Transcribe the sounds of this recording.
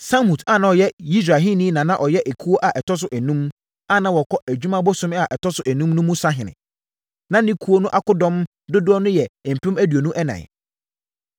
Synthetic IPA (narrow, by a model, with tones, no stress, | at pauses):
sã˦mũ˨ta˦˨nã˨ɔ˨jɛ˦i˦s̬ɾa˨ɦĩ˦nĩ˦nã˨nã˦ʔɔ˨jɛ˦ʔe˨kʰu˦o˦ʔa˨ʔɛ˨tʰɔ˦s̬ʊ˦ʔæ˨nũ˦m | a˦˨nã˦wɔ˨kʰɔ˦ʔæ˨d͡ʑᶣu˦mã˦bʊ˦sʊ̃˦m˦a˨ʔɛ˨tʰɔ˦sʊ˦ʔæ˨nũ˦mnʊ̃˦mʊ̃˦sa˦ɦɪ̃˨nɪ̰̃˨ | nã˦nɪ̃˦kʰu˦o˦nʊ̃˦ʔa˦kʊ˦dɔ̃˦m | dʊ˦dʊ˦ɔ˦nʊ̃˦jɛ˨m̩˨pʰɪ̃˦mæ˦dɥo˨nũ˦ʔɛ˦nã̰˨